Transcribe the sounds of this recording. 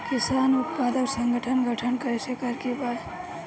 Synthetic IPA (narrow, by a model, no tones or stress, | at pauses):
kisanʊt̪̚pad̪əɾsəŋɡəʈʰənɡʱəʈʰənkəɾɛsəkəɾkebad̪